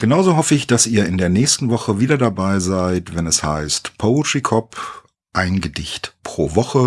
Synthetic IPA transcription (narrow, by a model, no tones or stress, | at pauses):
ɡ̥ənaʊzoːɦɔfəɪçd̥asiːɐɪndeːɐnɛːçstn̩vɔχəviːdɐdabaɪzaɪtv̥ɛnɛsha̰ɪstpʰoʊtʁ̥ikʰɔp | ʔaɪnɡədɪçtpʁ̥oːvɔχə